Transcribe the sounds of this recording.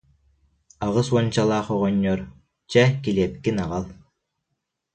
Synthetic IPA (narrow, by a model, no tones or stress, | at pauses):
aʁɯsuɔnt͡ɕalˠaːχɔʁɔɲːɔɾ | t͡ɕɛkiliɛp̚kinaʁalˠ